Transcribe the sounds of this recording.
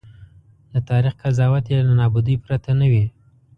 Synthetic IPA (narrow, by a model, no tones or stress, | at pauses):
d̪ət̪ɑɾixkazɑwat̪jelanɑbʊd̪əjpɾat̪anawi